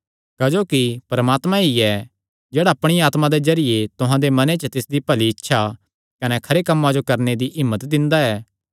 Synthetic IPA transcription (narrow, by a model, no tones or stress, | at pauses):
kɐd͡ʒoːkipɾɐmaːt̪mãiɛ | d͡ʒɛːɽaɐpɽ̃iaːt̪mãd̪ezɐɾɪjet̪ʊɦãd̪emɐnet͡ʃət̪ɪsd̪ipɐliɪtːʃʰa | kɐnɛkʰɐɾekɐmːad͡ʒokɐɾned̪iʔɪmːət̪d̪ɪ̃nd̪aɛː